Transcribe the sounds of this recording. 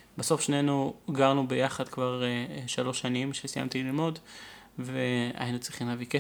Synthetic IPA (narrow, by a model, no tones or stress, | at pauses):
baso̞fʃne̞nuɡaʁnubejaχad̪kvaʁʃalo̞ʃanimʃesija̰mt̪ililmo̞dvea̰inut͡sʁiχimlavike